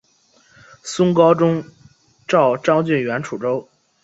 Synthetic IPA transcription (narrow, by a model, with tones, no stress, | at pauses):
sʊ˥ŋkɑ˥ʊʈ͡ʂʊ˥ŋ | ʈ͡ʂɑ˥˩ʊʈ͡ʂɑ˥ŋt͡ɕy˥˩nɥɛ˧˥nʈ͡ʂʰu˨˩ʈ͡ʂo˥ʊ